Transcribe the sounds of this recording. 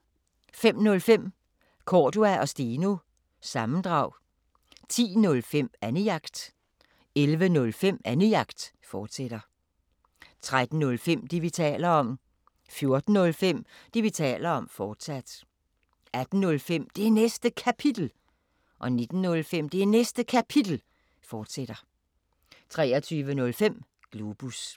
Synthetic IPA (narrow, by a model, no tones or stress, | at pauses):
fem̰nɔ̽lfem̰ | kʰɒːd̥uæʔɒ̽sd̥iːnu | sɑ̈mn̩d̥ʁɑ̈ʊ̰ | t͡sʰḭːnɔ̽lfem̰ænəɑ̈ɡ̥d̥ | elʋənɔ̽lfem̰ænəɑ̈ɡ̥d̥ | fɒːd̥sed̥ɐ | t͡sʰʁad̥n̩ːɔ̽lfem̰d̥iʋit͡sʰɛ̰ːlɐɒ̽m̰ | fjo̝ɐd̥n̩ːɔ̽lfem̰d̥iʋit͡sʰɛ̰ːlɐɒ̽mfɒːd̥sæd̥ | æd̥n̩nɔ̽lfem̰d̥e̝ænesd̥əkʰæpʰid̥l̩ | ʔɒ̽ne̝d̥n̩ːɔ̽lfem̰d̥e̝ænesd̥əkʰæpʰid̥l̩ | fɒːd̥sed̥ɐ | t͡sʰʁɛːɒt͡sʰyːʋənɔ̽lfem̰ | ɡ̥lub̥us